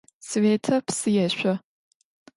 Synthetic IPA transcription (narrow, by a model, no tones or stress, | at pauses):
sveːtʰɐpʰsɨjɛɕʷɔ